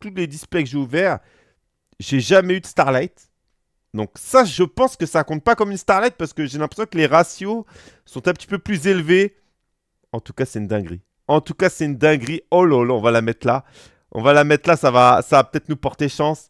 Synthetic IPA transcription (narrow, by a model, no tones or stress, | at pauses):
t̪uled̪isplɛkəʒeuvɛːʁ | ʒeʒamɛyd̪əst̪aʁlajt̪ | d̪ɔ̃ksaʒəpɑ̃skəsakɔ̃t̪̚pakɔmynst̪aʁlajt̪̚paʁsə̥kəʒelɛ̃pχesjɔ̃kəleʁasjo | sɔ̃t̪ɛ̃pə̥t̪i̥pøplyzelve | ɑ̃t̪u̥kasɛynd̪ɛ̃ɡʁi | ɑ̃t̪ukasɛynd̪ɛ̃ɡʁiɔlɔlaɔ̃valamɛt̪χla | ʔɔ̰̃valamɛt̪χlasavasavapø̥t̪ɛt̪χnupɔʁt̪eʃɑ̃s